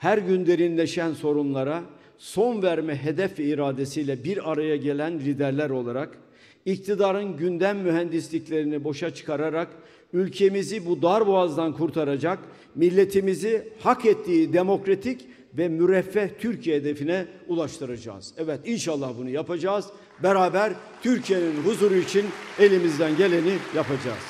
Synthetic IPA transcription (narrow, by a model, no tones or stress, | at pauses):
hæɾɟynd̪e̞ɾinlʲe̞ʃænso̞ɾunlˠaɾa | so̞nvæɾmɛɦe̞d̪ɛfvɛiɾaːd̪e̞sijlʲɛbiɾaɾajaɟe̞lʲænlʲid̪æɾlʲæɾo̞lˠaɾak | ic̚t̪ʰid̪aːɾɯnɟynd̪æmːyɦænd̪islʲiclʲe̞ɾinibo̞ʃat͡ʃʰɯ̥kʰaɾaɾak | ylʲcʰe̞mizibud̪aɾboazd̪ankʰuɾt̪ʰaɾad͡ʒak | milʲːe̞t̪ʰimizihakʰɛt̪ʰːiːd̪e̞mo̞kɾat̪ʰic | vɛmyɾɛfːɛht̪ʰyɾcʰijeed̪e̞finɛulˠaʃt̪ʰɯɾad͡ʒa̰ːz̥ɛvɛt̪inʃalˠːahbunujapad͡ʒaːz̥ | beɾaːbæɾ | t̪ʰyɾcʰije̞ninɦuzuːɾuit͡ʃʰine̞lʲimizd̪ænɟe̞lʲe̞nijapʰad͡ʒa̰ːz̥